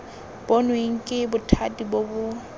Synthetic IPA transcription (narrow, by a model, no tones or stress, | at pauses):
b̥onweŋ̩kʼɪbʊtʰadibobʊ